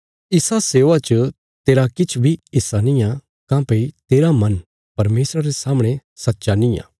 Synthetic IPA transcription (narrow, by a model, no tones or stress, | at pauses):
ɪsaseːʋat͡ʃə | t̪eːɾakɪt͡ʃʰbʱiɪsːanĩjã | kãːpɐit̪eːɾamɐn | pɐɾmeːsɾaɾesaːməɽ̃esɐtːʃanĩjã̰ː